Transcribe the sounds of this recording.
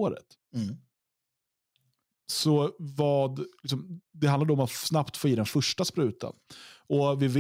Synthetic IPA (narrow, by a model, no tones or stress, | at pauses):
oːɾə̰t̪ | sɔvɑːd̪lɪksɔmd̪ɛhand̪ad̪əɔmat̪snapt̪foːjiːd̪ɛnfɵʂʈaspɾʉ̟ːt̪ʰa̰nɔvɪvɪ